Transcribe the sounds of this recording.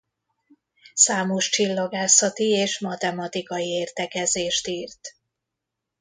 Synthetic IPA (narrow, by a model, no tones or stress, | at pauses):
saːmo̞ʃt͡ʃilːoɡaːsɒt̪ieːʃmɒt̪ɛmɒt̪ikɒjieːrt̪ɛkɛzeːʃt̪iːrt̪